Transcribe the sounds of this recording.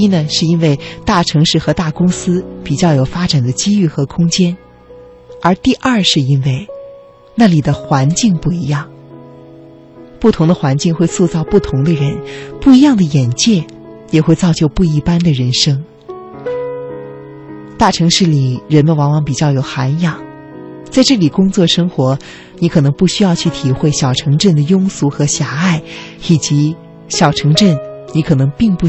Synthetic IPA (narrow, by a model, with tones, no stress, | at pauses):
i˥nə˧ʂɻ̩˥˩i˥nwe˥˧ɪt̪a˥˩ʈ͡ʂʰɤ˧˥ŋʂɻ̩˥˩xɤ˧˥t̪a˥˩kʊ˥ŋsɹ̩˥pi˨˩t͡ɕjɑ˥˩ʊjo˨˩ʊfa˥ʈ͡ʂa˨˩nd̪ə˦t͡ɕi˥y˥˩xɤ˧˥kʰʊ˥ŋt͡ɕjɛ˥n | ə˞˧˥t̪i˥˧ʔɐ˞˥˩ʂɻ̩˥˧i˥nwe˥˩ɪ | na˥˩li˨˩d̪ə˦xwa˧˥nt͡ɕi˥˧ŋpu˥˩i˧˥jɑ˥˩ŋ | pu˥˩t̪ʰʊ˧˥ŋd̪ə˧xwa˧˥nt͡ɕi˥˧ŋxwe˥˧ɪswɔ˥˧t͡sɑ˥˧ʊpu˥˩t̪ʰʊ˧˥ŋd̪ə˧ɻə˧˥npu˥˩i˧˥jɑ˥˩ŋd̪ə˩jɛ˨˩nt͡ɕjɛ˥˩ | jɛ˨˩xwe˥˧ɪt͡sɑ˥˧ʊt͡ɕjo˥˧ʊpu˥˩i˧˥pa˥nd̪ə˨ɻə˧˥nʂɤ˥ŋ | t̪a˥˩ʈ͡ʂʰɤ˧˥ŋʂɻ̩˥˩li˨˩ɻə˧˥nmə˧nwɑ˧˥ŋwɑ˧˥ŋpi˨˩t͡ɕjɑ˥˩ʊjo˨˩ʊxa˧˥njɑ˨˩˦ŋ | t͡sa˥˧ɪʈ͡ʂɤ˥˩li˨˩kʊ˥ŋt͡swɔ˥˩ʂɤ˥ŋxwɔ˧˥ | ni˧˥kʰɤ˨˩nɤ˧˥ŋpu˥˩ɕy˥jɑ˥˧ʊt͡ɕʰy˥˩t̪ʰi˨˩xwe˥˩ɪɕjɑ˨˩ʊʈ͡ʂʰɤ˧˥ŋʈ͡ʂə˥˩nd̪ə˩jʊ˥ŋsu˧˥xɤ˧˥ɕja˨˩˦a˥˩ɪi˨˩t͡ɕi˧˥ | ɕjɑ˨˩ʊʈ͡ʂʰɤ˧˥ŋʈ͡ʂə˥˩nni˧˥kʰɤ˨˩nɤ˧˥ŋpi˥˧ŋpu˥˩